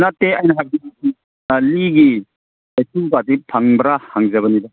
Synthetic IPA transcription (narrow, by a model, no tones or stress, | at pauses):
natːeajnɐɦak̚dinaki | liɡi | esubatipʰaŋbɾahaŋzaβɐnida